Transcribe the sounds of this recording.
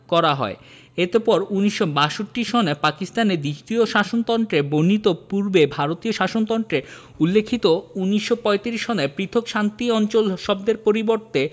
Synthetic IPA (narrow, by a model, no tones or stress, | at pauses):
kɔɾaɦɔ̰e | et̪epɔɾuniʃːobaʃoʈːiʃonepakist̪aned̪ɾiʃʈ̪ioʃaʃont̪ɔnʈ̪ɾebonit̪opuɾbebʱaɾot̪ioʃaʃont̪ɔnʈ̪ɾe | ulːekʰːit̪ouniʃːopɔet̪iɾiʃʃonepɾit̪ʰokʃant̪iɔnt͡ɕolʃɔb̚d̪eɾpoɾiboɾt̪e